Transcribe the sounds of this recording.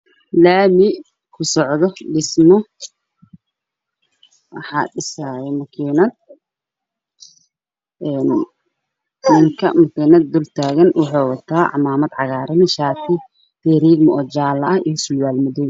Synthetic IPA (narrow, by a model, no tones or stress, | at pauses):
laːmɪ | kʰʊsɔʕðɔɖɪsmɔ | wɑħɑ̰ːɖɪsaːjɛmɐkʰiːnɐd̪̚ | ɛːn | nɪŋkʰɐ̰mɐkʰiːnɐd̪̚ːʊlt̪ʰaːɣɐnwɑħɑːwɑt̪ʰaːʕɑ̰maːmɐd̪ʕɑɣaːɾɪnɪʃaːt̪ʰɪ | t̪ɛɾiːɡmɔɔːt͡ʃaːlɐɐhḭjɐsʊlwaːlmʊðɔ